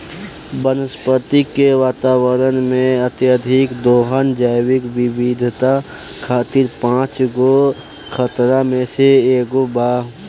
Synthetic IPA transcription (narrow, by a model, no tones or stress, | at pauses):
bənəspət̪ikeʋaːt̪aːwəɾənmẽət̪jəd̪ʱɪkd̪oːɦənd͡ʒaːɪwɪkbɪbid̪ʱt̪a | kʰaːt̪ɪɾpãːt͡ʃɡo | kʰət̪ɾamẽseeːɡobaː